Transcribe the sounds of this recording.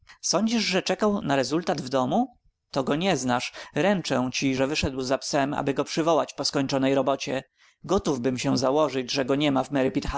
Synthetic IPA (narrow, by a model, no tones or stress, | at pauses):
sɔɲd͡ʑiʐʐɛt͡ʂɛkawnaɾɛzult̪ad̪vd̪ɔmu | t̪ɔɡɔɲɛznaʂɾɛnt͡ʂɛw̃t͡ɕiʐɛvɘʂɛd̪wzapsɛma̰bɘɡɔpʂɘvɔwat͡ɕpɔskɔɲt͡ʂɔnɛjɾɔbɔt͡ɕɛ | ɡɔt̪uvbɘmɕɛ̃zawɔʐɘd͡ʑʐɛɡɔɲɛmavmɛɾɪpʲit̪xa